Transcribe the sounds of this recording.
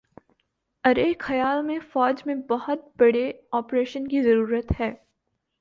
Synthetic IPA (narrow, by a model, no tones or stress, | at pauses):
ɐɾexɐjaːlmẽfɔːd͡ʒmẽbɐhʊt̪̚bɐɽeɔːpɾeːʃənkizɐɾuːɾət̪hɛː